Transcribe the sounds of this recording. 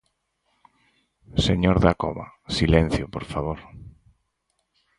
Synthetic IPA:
seɲoɾðako̰βa̰silẽn̟θjopoɾfaβoɾ

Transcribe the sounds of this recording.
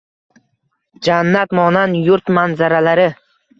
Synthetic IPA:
d͡ʒanːat̪mɒnanjʊɾt̪manzaɾalaɾɪ

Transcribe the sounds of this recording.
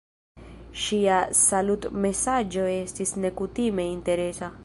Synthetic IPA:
ʃiasalut̪mesad͡ʒoest̪isnekut̪imeint̪eɾesa

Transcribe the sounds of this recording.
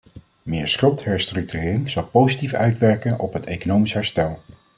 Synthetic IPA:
mɪːɹsχɪlˠtɦɛɹstrɵk̚tyrɪːrɪŋz̥ɑlˠpowzitifœ̰ɥtʋɛɹkənɔ̰pɦətejkonowmisɦɛɹstɛlˠ

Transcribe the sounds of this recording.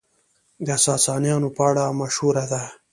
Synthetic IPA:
d̪asɑːsɑːnjɑːnopaɽamaʃhuɾad̪a

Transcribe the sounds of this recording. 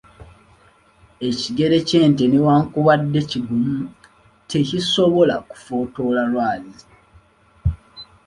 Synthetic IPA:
e̞ciɡe̞ɾe̞ce̞ːnte̞newaːŋkuβadːe̞ciɡumu | te̞ciso̞βo̞laku̥fo̞ːto̞lalwaːli

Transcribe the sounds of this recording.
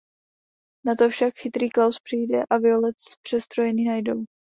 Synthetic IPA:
nat̪ofʃakxɪt̪ɾiːklawspr̥ijdɛʔavɪolɛt̪pr̥ɛst̪ɾojɛniːnajdow

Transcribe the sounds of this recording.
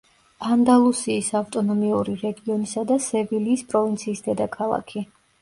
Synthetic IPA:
and̪alˠusiːsavt̪ʼɔnɔmiuɾiɾɛɡiɔnisad̪asɛviliːspʼɾɔvint̪sʰiːsd̪ɛd̪akʰalˠa̰kʰi

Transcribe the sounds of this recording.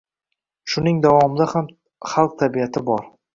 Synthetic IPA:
ʃʊnɪŋd̪avɒmɪd̪aham | χɑlˠq̚t̪ʰabiat̪ʰɪbɒɾ

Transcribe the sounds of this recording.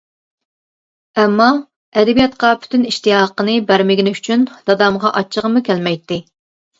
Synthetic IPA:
ɛmːɑ | ɛd̪ɛbijɑt̪qɑpʰy̥t̪ʰyniʃt̪ijɑqənɨbæɾmɪɡʲinɪyt͡ʃʰynd̪̥ɑd̪ɑmʁɑʔɑt͡ʃʰːəʁəmukʲælmɛjt̪ːɪ

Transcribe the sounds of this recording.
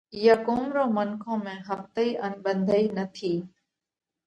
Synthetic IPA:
jakoːmɾoːmənkʰõːmẽːɦəft̪əiːʔənɓə̃nd̪ʱəiːnət̪ʰiː

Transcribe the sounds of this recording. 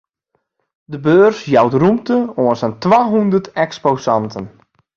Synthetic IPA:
dəbøːrsjawtrumtəoənsəntwaːɦundərtɛkspoːsɑntʰən

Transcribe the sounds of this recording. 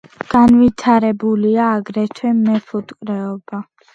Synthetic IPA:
ɡ̥anvit̪ʰaɾɛbuliaːɡɾɛt̪ʰwɛmɛpʰut̪ʼkʼɾɛɔba

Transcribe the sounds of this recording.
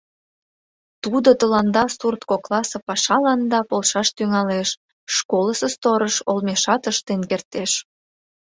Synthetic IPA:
t̪ud̪ot̪əlɑnd̪ɑsurt̪koklɑsɤ̆pɑʃɑlɑnd̪ɑpolˠʃɑʃt̪yŋɑleʃː | koləsəst̪oɾəʃolmeʃɑt̪əʃt̪enkert̪eʃ

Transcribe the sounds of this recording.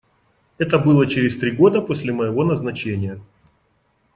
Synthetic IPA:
ɛt̪əbɨlˠət͡ɕɪɾʲɪsʲt̪ɾʲiɡo̞d̪əpo̞sʲlʲɪməjɪvo̞nəznɐt͡ɕenʲɪjə

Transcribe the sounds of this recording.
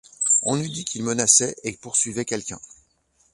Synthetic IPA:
ɔ̃nyd̪ikʲʰilmənasɛʔepuʁsɥivɛkʲɛlkʲɛ̰̃

